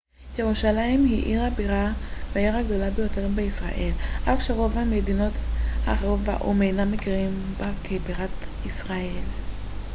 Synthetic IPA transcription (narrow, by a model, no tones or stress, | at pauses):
jeʁuʃalaimhiʔiʁabiʁaveaiʁaɡd̪o̞labejo̞te̞ʁbeisʁa̰ʔe̞lʔafʃeʁovhamed̪ino̞t̪haːχeʁo̞tva̰ʔomejnamekiʁimbakʰebiʁat̪isʁael